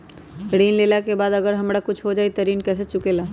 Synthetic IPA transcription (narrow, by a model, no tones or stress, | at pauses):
ɽiːnlelakebaːd̪əɡəɾɦəmɽakʊt͡ʃʰɦod͡ʒaːit̪əɾiːnkɛːs̬et͡ʃʊkela